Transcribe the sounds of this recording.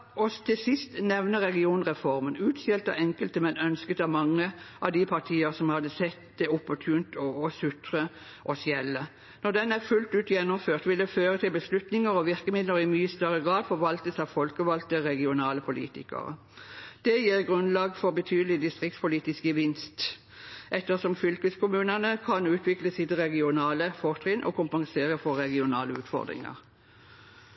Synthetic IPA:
ɔst̪ʰɪsɪst̪nɛʋnəʁɛɡɪuːnʁɛfɔʁmənʉːt̪sɛlt̪ɑ̰ɛŋkəlt̪əmɛnœnskət̪ɑʋmɑŋːəʔɑʋd̪ipʰɑʁt̪ʰiːəʁsɔmhɑd̪əsɛt̪d̪ɛɔpːɔt̪ʰʉːnt̪ɔːsʉt̪ɾə | ʔɔsjɛlːə | nɔd̪ɛnæʁfʉlt̪ʉːt̪jɛnːʊmføːʁt̪ʋɪld̪ɛføːʁət̪ʰɪlbəslʉt̪nɪŋəɾɔʋɪʁkəmɪd̪ləɾɪmyːəst̪œʁəɡʁɑːd̪fɔɾʋɑlt̪əsɑfɔlkəʋɑlt̪əʁɛɡɪʊnɑːləpʰʊlḭːt̪ɪkə̰ʁə̰ | d̪̥ɛjiːʁɡʁʉnlɑːɡfɔʁbət̪ʰyːd̪əlɪd̪ɪst̪ʁɪk̚t̪spʊliːt̪ɪskəʋɪnst̪ | ʔɛt̪ːəsɔmfʏlkəskʰʊmʉːnənəkʰɑnʉːt̪ʰʋɪkləsɪt̪ʁɛɡɪʊnɑːləfɔʁt̪ʁɪnʔɔ̰kʰʊmpɑŋseːʁəfɔːɛɡɪʊnɑːləʉːt̪fɔ̰ʁd̪ʁɪ̰ŋə̰ʁ

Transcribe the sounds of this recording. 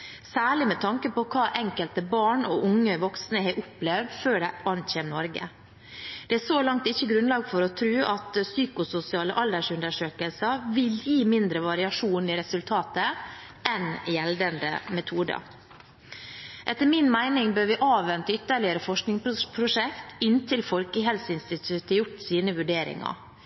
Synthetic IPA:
sæːɭɪmɛt̪ʰɑŋkəpɔkʰɑːʔɛŋkəlt̪əbɑːɳɔʔʊŋːəʋɔksnəɦɛːʔʊplɛʋd̪føːɖæɪɑnçeːmnɔɾɡə̰ | d̪̥ɛæsolɑŋt̪ɪçːəɡɾʉnlɑːɡfɔɾɔt̪ʰɾʉːʔɑt̪syːkʊsʊsɪɑːləʔɑld̪əʂʉnd̪əʂøːkəlsəʋɪljiːmɪnd̪ɾəʋɑɾɪɑʂuːnɪɾɛsʉlt̪ʰɑːt̪ə | ʔɛnjɛld̪ənd̪ə̰mɛt̪ʰuːd̪ə̰ | ʔɛt̪ːəɾmɪnmæɪnɪŋbøːɾʋɪʔɑːʋʋɛnt̪əʏt̪ːəɭɪəɾəfɔʂknɪŋpʰɾʊʂɛkt̪ɪnt̪ʰɪlfɔlkəɦɛlsəɪnst̪ɪt̪ʰʉt̪əjʊʈːsiːnəʋʉɖeːɾɪ̰ŋɑ̰

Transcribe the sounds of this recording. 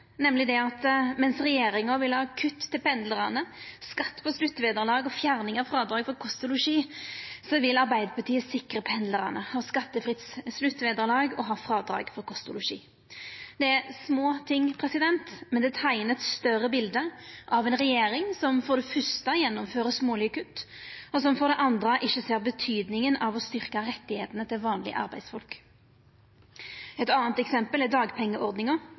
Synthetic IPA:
nɛmlɪd̪ɛɑt̪mɛnsʁɛjeːɾɪŋɑʋɪlhɑːkʰʉt̪ːtʰːɪlpɛnd̪ləɾənəskɑt̪ːpʰɔslʉt̪ːʋeːd̪əʁlɑːɡɔfjæɾnɪŋɑʋfɾɑːd̪ɾɑːɡfɔɾkʰɔst̪ʊlʊʂiːsɔʋɪlɑɾbæɪd̪əɾpʰɑt̪ʰiːəsɪkʁəpʰɛnd̪ləʁə̰nəhɑːskɑt̪ːəfʁɪt̪sslʉt̪ːʋeːd̪əʁlɑːɡɔ̰ɦɑːfɾɑːd̪ɾɑ̰ːɡfɔɾkʰʊst̪ʊlʊʂḭː | d̪̥ɛæɾsmoːt̪ʰɪŋpʰɾɛsɪd̪ɛnt̪mɛnd̪ɛt̪ʰæɪnət̪st̪œrəbɪld̪əʔɑʋɛnʁɛjeːɾɪŋsɔmfɔʁd̪ɛfʏɾst̪əjɛnːʊmføːʁəsmoːlʏkʉt̪ːɔsɔmfɔʁd̪ɛʔɑnd̪ʁəʔɪçːəseːʁbət̪ʰyːd̪nɪŋənɑʋɔst̪ʏʁkɑɾɛt̪ːɪheːt̪ənət̪ʰɪlʋɑːnlɪ̰ə̰ʔɑ̰ʁbæɪd̪sfɔlk | ɛt̪ɑːnt̪ɛksɛmpəlæd̪ɑːɡpʰɛŋːəʔɔʁd̪nɪŋɑ

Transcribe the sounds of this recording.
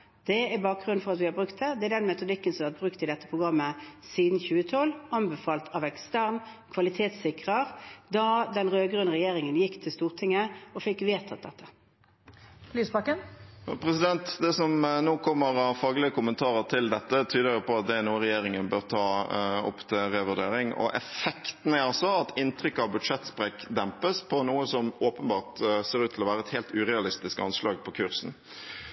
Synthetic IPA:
d̪̥ɛæɾbɑːk̚ɡʁʉnfɔʁɑt̪ʋɪhɑɾbʁʉkt̪̚d̪ɛd̪ɛæd̪ɛnmɛt̪ʊd̪ɪkːənsɔmʋæʁt̪̚bʁʉkt̪ɪd̪ɛt̪ːəpʰʁʊɡɾɑmːəsiːd̪n̩çʉːət̪ʰɔlɑnbɛfɑːlt̪ʰɑʋɛkst̪æʁnkʰʋɑlɪt̪ʰeːt̪sɪkʁəʁd̪ɑd̪ɛnɾøːɡɾʉnʁɛjeːʁɪŋənjɪkːt̪ʰɪlst̪uːʁt̪ʰɪŋːəɔfɪkːʋeːt̪ʰɑt̪̚d̪ɛt̪ʰːə̥ | lyːsbɑkːənpʰɾɛsɪd̪ɛnt̪d̪ɛsɔmnoːkʰɔmːəɾɑʋfɑːɡlɪəkʰʊmənt̪ʰɑːʁəʁt̪ʰɪld̪ɛt̪ːət̪ʰyːd̪əʁʊpʰɔɑt̪̚d̪ɛɛnuːəʁɛjeːʁɪŋənbøːʁt̪ʰɑːɔ̰pːt̪ʰɪʁɛʋʉʁd̪eːɾɪŋɔ̰ʔɛfɛkt̪n̩æɾʁɑsɔɑt̪ɪnt̪ʰɾʏkːəɑʋbʉd̪ʂɛt̪spʁɛːkd̪ɛmpəspʰɔnuːəsɔmoːpənbɑːʁt̪seːɾʉːt̪ʰːlɔʋæːʁəɛt̪hɛːlt̪ʉʁɛɑlɪst̪ɪskɑnslɑːɡpʰɔkʰʉʁsn̩

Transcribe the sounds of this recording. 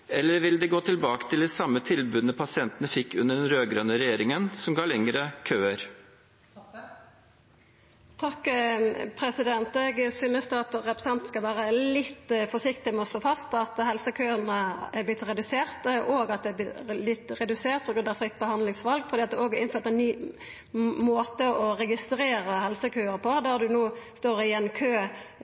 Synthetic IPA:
ɛlːəɾʋɪld̪ɛɡoːt̪ʰɪlbɑːkə̥t̪ʰɪld̪ɛsɑmːət̪ʰɪlbʉːd̪nəpʰɑsɪɛnt̪ənəfɪkːʉnːəɖɛnɾøːɡɾøːnəɾɛjeːɾɪŋənsɔmɡɑːɭɛŋəɾəkʰøːəɾ | t̪ʰɑkː | pʰɾɛsɪd̪ɛnt̪ɛɡsyːnəst̪əɑt̪ɾɛpɾə̥sɛnt̪n̩skɑlʋæːɾəlɪt̪ːfɔʂɪkt̪ɪmɛɔst̪loːfɑst̪ɑt̪hɛlsəkʰøːənəæblɪt̪ʁɛd̪ʉseːɾt̪ʔoːɡɑt̪̚d̪ɛɪblɪt̪ːɾɛd̪ʉseːt̪pʰɔɡɾʉnd̪ɑʋfɾɪt̪̚ːbəhɑnd̪lɪŋsʋɑlɡfɔɾd̪iːɑt̪d̪ɛoɔːɡɪnføːɾt̪əɛnnyː | moːt̪əʔɔɾɛɡɪst̪ɾeːɾəhɛlsəkʰøːəʁpʰɔd̪æʁd̪ʉnoːst̪oːɾɪjɛnːkʰøː

